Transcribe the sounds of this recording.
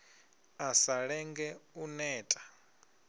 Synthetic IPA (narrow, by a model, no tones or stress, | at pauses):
asaɺɛŋɡɛunɛːtʼḁ